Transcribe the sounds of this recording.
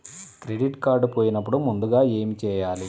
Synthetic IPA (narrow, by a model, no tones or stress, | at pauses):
kɾe̞ɖiʈkaːɾɖpo̞ːjinɐp̬ːuɽumund̪uɡaːe̞ːmit͡ʃɛːjaːli